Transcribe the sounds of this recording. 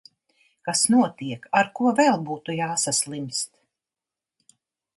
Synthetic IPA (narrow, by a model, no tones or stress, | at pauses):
kasnuɔt̪iɛkaɾkuɔvɛlˠbuːt̪ujaːsaslˠimst̪